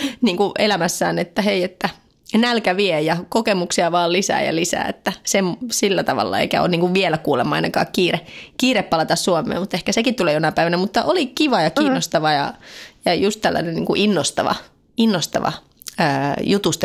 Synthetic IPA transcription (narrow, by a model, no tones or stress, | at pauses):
niːŋkuʔelæmæsːæ̰ːnet̪ːæheiet̪ːæ | nælkæʋiejjɑkokemuksiɑʋɑːllisæ̰ːjɑ̰lisæ̰ːḛt̪ːæsemsilːæt̪ɑʋɑ̰lːɑ̰ḛikæ̰o̰ːniːŋkuʋʋielækuːlemːɑɑinɑkɑ̰ːkkiːrekiːɾepːɑlɑt̪ɑssuomˑḛːmut̪ːehkæsekit̪t̪uleːjonɑpæiʋænæmut̪ːɑʔolikiʋɑjɑkiːnːost̪ɑʋɑjɑ̰jɑjust̪ælːæ̰nennḭːŋkuʔinːost̪ɑ̰ʋɑ̰ | inːost̪ɑ̰ʋɑ̰ | əːjut̪ust̪